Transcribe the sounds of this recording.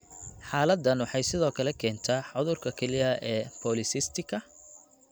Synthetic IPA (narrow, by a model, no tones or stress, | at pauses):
ħaːlɐd̪ːɐnwɑħɑjsɪðɔːkʰɐlɛkʰɛːnt̪ʰaːħʊðʊrkʰɐkʰɛlɪjɐʔɛːpʰɔːlɪsɪst̪ʰɪkʰɐ